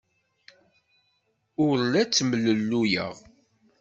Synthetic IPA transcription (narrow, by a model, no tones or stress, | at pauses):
ʊɾlæt͡sːmələlːujə̰ʁ